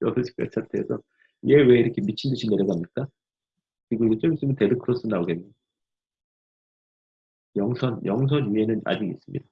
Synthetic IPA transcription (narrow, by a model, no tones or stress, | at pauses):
jʌdʌɕʰi̥k͈a̰̥s͈ʰatʰeːsʰʌ | je̞we̞iɾʌkʰe̞mit͡ɕʰindɯɕʰinːe̞ɾjʌɡamɲik͈a | kɾiɡoɯt͡ɕ͈omis͈ɯmjʌntedɯk͈ɯɾʌs͈ɯnːaoɡe̞nɲe | jʌŋsʰʌnjʌŋs̬ʰʌnie̞nɯna̰d͡ʑiɡḭs͈ɯmɲḭd̥a